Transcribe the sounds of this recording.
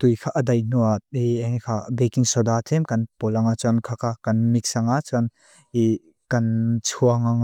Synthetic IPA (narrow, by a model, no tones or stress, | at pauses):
t̪ujkʰaʔədɐjnuat̪̚ieŋekʰabekiŋsɔd̪at̪ʰɛmkɐnpɔlaŋat͡sɔnkʰakʰakɐnmik̚saŋat͡sɔn | i | kɐnt͡sʰuaŋaŋ